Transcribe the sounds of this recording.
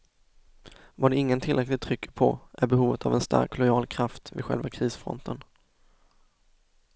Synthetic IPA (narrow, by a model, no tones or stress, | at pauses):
vaɖɛɪŋːənt̪ʰɪlɾɛklɪt̚t̪ʰɾʏkʰːə̥pʰɔʔæɾbɛɦuːvət̪ʰavɛnst̪ʰa̰ɾkːlɔjɑːlkʰɾaft̪vɪɧɛ̰lvakʰɾiːsfɾɔ̰nt̪ʰən